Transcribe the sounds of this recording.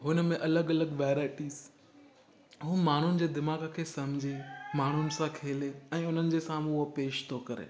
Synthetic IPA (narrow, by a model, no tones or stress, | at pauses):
ɦʊnmẽʔɐləɡɐləɡʋeːɾaːɪʈiːz | ɦuːmaːn̤ʊnɪ̆d͡ʑeːd̪ɪmaːɡəkʰeːsɐ̃md͡ʑʱemaːn̤ʊnɪ̆sãkʰeːleɛ̃ːʊn̤ənɪ̆d͡ʑeːsãːmupeːʃt̪ʰokɐɾḛː